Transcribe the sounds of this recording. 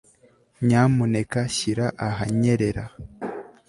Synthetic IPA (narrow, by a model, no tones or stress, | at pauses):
ɲamune̞kaɕiɾaʔaɦaɲeɾe̞ɾa̰